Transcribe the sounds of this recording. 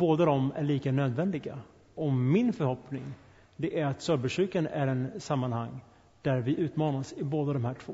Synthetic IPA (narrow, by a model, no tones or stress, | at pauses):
boːd̪ad̪ɔmæ̰ɾɭiːkanøːd̪vɛnd̪ɪɡa | ɔmːɪnfœɾhɔpnɪŋ | d̪ɛʔæɾat̪sœɾbɛʂʉːkanæɾɛnsamːanhaŋ | d̪̥æɾvɪʔʉ̟ːt̪mɑːnasɪboːd̪ad̪ɔmhæːʈʰv̥o̰ː